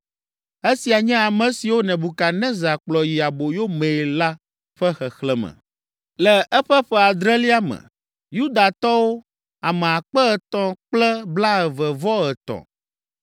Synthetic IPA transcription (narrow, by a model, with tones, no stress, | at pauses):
e˦si˨a˨ɲɛ̃˦a˨mɛ̃˨si˨wo˦nɛ̃˨bu˨ka˨nɛ̃˦za˨k͡plɔ˨ji˨a˨bo˨jo˦mẽ˨la˦ | ɸɛ˦xɛ˨xlɛ˦mɛ̰̃˨ | lɛ˨ʔɛ˦ɸɛ˦ɸɛ˦a˨d̪ɾɛ˦li˦a˦mɛ̰̃˨ | ju˦d̪a˨t̪ɔ˦wo˦ | a˨mɛ̃˨a˨k͡pɛ˦ɛ˨t̪ɔ̃˦k͡plɛ˦bla˦ɛ˨vɛ˨vɔ˦ɣɛ˨t̪ɔ̰̃˨